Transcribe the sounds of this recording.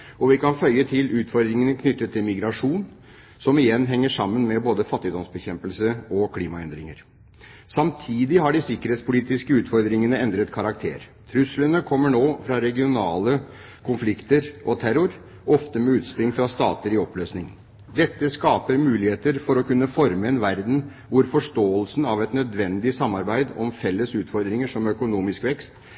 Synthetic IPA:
ɔʋɪkɑnfœʏjːət̪ʰɪlʉːt̪fɔɾd̪ɾɪŋənəkʰnʏt̪ːət̪ʰːɪlmɪɡɾɑʂuːn | sɔmɪjɛnːɦɛŋːəʂɑmːənmɛboːd̪əfɑt̪ːɪd̪ɔmsbɛçɛmpəlsəɔkʰliːmɑɛnd̪ɾɪŋəɾ | sɑmt̪ʰiːd̪ɪɦɑɖɪsɪkːəɾheːt̪spʊliːt̪ɪskəʉːt̪fɔɾd̪ɾɪŋənəɛnd̪ɾət̪kʰɑɾɑk̚t̪ʰḛːɾ | t̪ʰɾʉslənəkʰɔmːəɳoːfɾɑɾɛɡɪʊnɑːlə | kʰʊnflɪkt̪əɾʔɔt̪ʰæɾʊɾ | ɔft̪əmɛʉːt̪spɾɪŋfɾɑst̪ɑ̰ːt̪əɾɪɔpløːsnɪŋ | d̪ɛt̪ːəskɑːpəɾmʉːlɪheːt̪əɾfɔɾɔkʉnːəfɔɾməɛnʋæɾd̪n̩ | ʋʊɾfɔʂʈoːəlsn̩ɑʋɛt̪nœd̪ʋɛnd̪ɪsɑmːɑɾbæɪd̪ɔmfɛlːəsʉːt̪fɔɾd̪ɾɪŋəʂɔmœkʊnuːmɪskʋɛkst̪

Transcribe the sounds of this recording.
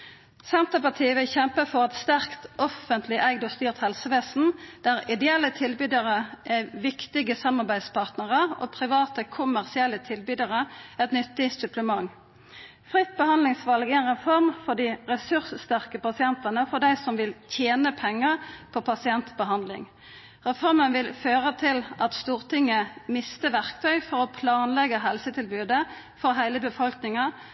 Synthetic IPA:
sɛnt̪əpɑʁt̪ʰiːəʋɪlçɛmpəfɔʁɛt̪st̪æʁkt̪ɔfənt̪ʰlɪʔæɡd̪ɔst̪yːʁt̪hɛlsəʋeːsn̩d̪̥æʁɪd̪ɛɛlːət̪ʰɪlbyːd̪əʁəʔæʋɪkt̪ɪɡəsɑmːɑʁbæɪd̪spʰɑʁt̪nəʁəo̰ːpʰʁɪʋɑːt̪əkʰʊmæʁsɪɛlːət̪ʰɪlbyːd̪əʁəɛt̪nʏt̪ːɪsʉpləmɑŋː | fʁɪt̪̚ːbəhɑnd̪lɪŋsʋɑlɡəɛnʁɛfɔʁmfɔd̪iʁɛsʉʁsst̪æʁkəpɑsɪɛnt̪ɑnəfɔd̪æɪsɔmʋɪlt̪ʰjeːnəpʰɛŋːəpʰɔpʰɑsɪɛnt̪bəɦɑnd̪lɪ̰ŋ | ʁɛfɔʁmənʋɪlføːʁət̪ʰɪlʔɑt̪st̪uːʁt̪ʰɪŋːəmɪst̪əʋæʁkt̪ʰœʏfɔʁɔpʰlɑːnlɛɡəɦɛlsət̪ʰɪlbʉːd̪ə | fɔɾɦæɪləbəfɔlknɪŋɑ

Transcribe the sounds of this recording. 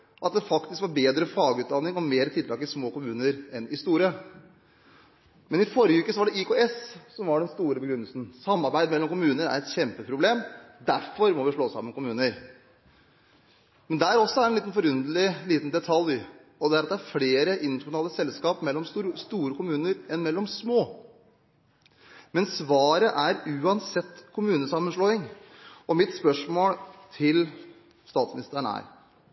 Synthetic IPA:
ʔɑt̪̚d̪ɛfɑkt̪ɪskʋɑɾbeːd̪ɾəfɑːɡəʉːt̪̚d̪ɑnːɪŋɔmeːɾət̪ʰɪlt̪ʰɑːɡ̚kt̪ɪlsmoːkʊmʉːnəɾɛnɪst̪uːɾə | mɛnɪfɔɾjəʉːkəsɔʋɑɖɛɪkʰoːɛssɔmʋɑɖɛnst̪uːɾəbəɡɾʉnːəlsn̩sɑmːɑɾbæɪd̪mɛlːɔmkʊmʉːnəɾæ̰ɾɛt̪çɛmpəpʰɾʊbleːmd̪æɾfɔɾmɔʋɪʂɭoːsɑ̰mːənkʊmʉːnəɾ | mɛnd̪æɾɔsːɔæɾɛniːt̪nfɔɾʉnd̪əl̩ɪliːt̪n̩d̪ɛt̪ʰɑlj | ɔd̪ɛæɾɑt̪d̪ɛæɾfɽeːɾəʔɪnːt̪nɑːləsɛlskɑːpmɛlːɔmst̪uːɾəkʊmʉːnəɾɛnmɛlːɔmsmoː | mɛnsʋɑːɾəʔæɾʉːɑnsɛt̪ːkʰʊmʉːnəsɑmːənʂɭoːɪŋɔmɪt̪spœʂmoːlt̪ʰɪl | st̪ɑːt̪smɪnɪst̪əəɳæ̰ɾ

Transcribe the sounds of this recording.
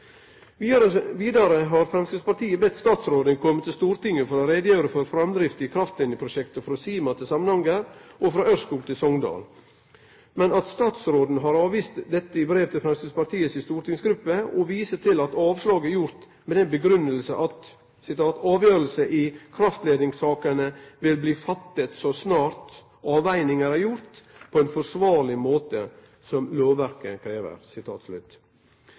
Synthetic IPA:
əʋiːd̪ɑɾəɦɑɾfɾɛmskəspɑɾt̪ʰiːəbɛt̪ːst̪ɑːt̪sɾoːd̪ənkʰɔmːət̪ʰːɪlst̪uːɾt̪ɪŋːəfɔɾɔɾed̪əjøːɾəfɔɾfɾɑmd̪ɾɪft̪ɪkʰɾɑft̪lɪnɪəpʰɾʊʃɛkt̪əfɾɔsiːmɑt̪ʰɪlsɑmːənhɑŋəɾʔɔfɾɑʔœɾskuːɡt̪ʰɪlsɔŋd̪ɑ̰ːl | mɛnɑt̪st̪ɑːt̪sɾoːd̪n̩ɦɑɾɑːʋiːst̪d̪ɛt̪ːəɪbɾeːʋt̪ʰɪlfɾɛmskəspɑt̪ʰiːəsɪst̪uːɾʈ̪ɪŋsɡɾʉpːəɔʋiːsət̪ʰɪlɑt̪ɑːʋslɑːɡəæɾjʊɾt̪ | mɛd̪ɛnbəɡɾʉnːəlsəʔɑt̪ | sɪt̪ɑːt̪ɑːʋjøːɾəlsəʔɪkʰɾɑft̪leːd̪ɪŋsɑːkənəʋɪlbliːfɑt̪ːət̪sɔsnɑːɾt̪ | ɑːʋæɪnɪŋəɾæɾjʊɾt̪pʰɔɛnfɔɾsʋɑːɾlɪmoːt̪ə | sɔmloːʋʋæɾkəkʰɾeːʋə̰ɾsɪt̪ʰɑ̰ːt̪slʉ̰t̪ː

